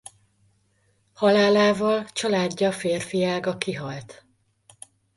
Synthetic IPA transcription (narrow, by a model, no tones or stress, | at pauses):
hɒlaːlaːvɒlt͡ʃɒlaːɟːɒfeːrfijaːɡɒkiɦɒlt̪